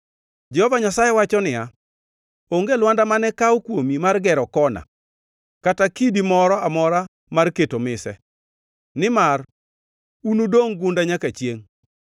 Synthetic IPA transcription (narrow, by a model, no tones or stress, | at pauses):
d͡ʒɛhɔvaɲasajɛwat͡ʃɔnɪja | oŋɡelwandamanɛkawɔkwomimarɡɛɾɔkɔna̰ | katakidimɔɾɔamɔɾa | marketomɪsɛ | nɪmar | unudoŋɡʊndaɲakat͡ʃjeŋ